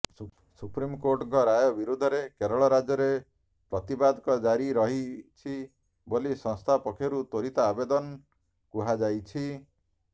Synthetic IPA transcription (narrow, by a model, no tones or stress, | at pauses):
supɾimkoɾʈɡɔɾajɔbiɾud̪ʱɔɾekeɾɔɭɔɾad͡ʒɔɾe | pɾɔt̪ibad̪ɔkɔd͡ʒaɾiɾɔɦit͡ʃʰi | bolisɔ̃ŋst̪ʰapɔkʰɔɾut̪oɾit̪aːbed̪ɔn | kuɦad͡ʒajt͡ʃʰi